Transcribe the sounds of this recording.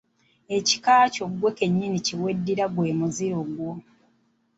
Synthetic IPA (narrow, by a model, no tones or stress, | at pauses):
e̞ci̥kaːco̞ɡwe̞ke̞ɲːiniciwe̞dːiɾaɡwe̞ːmuziɾoɡwo